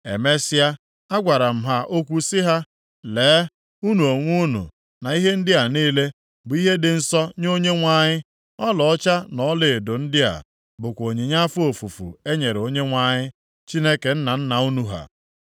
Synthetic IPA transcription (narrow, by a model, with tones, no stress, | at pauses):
ḛ˨me˦sja˦ | a˦ɡʷa˨ɾa˨m̩˦ɦa˦ʔo˦kʷu˦sɪ˦ɦa˦ | leː˨˦ | u˦nu˨o˨ŋʷu˦nṵ˨ | na˨i˦ɦe˦n̩˦dɪ˦a˨niː˦le˦ | bʊ˨i˦ɦe˦dɪ˨n̩˦sɔ˦ɲ˦o˦ɲe˦ŋʷa˦ɲɪ˦ | ɔ˦lɔ˨ɔ˦t͡ʃa˦nɔ˨˦lɪ˨dʊ˨n̩˦dɪ˦a̰˨ | bʊ˨kʷo˨ɲi˨ɲa˦fʊ˦o˨fu˨fṵ˨e˦ɲe˨ɾo˦ɲe˦ŋʷa˨ɲɪ˦ | t͡ʃi˦ne˦ke˨n̩˦na˨n̩˦na˨u˦nu˨ɦa̰˨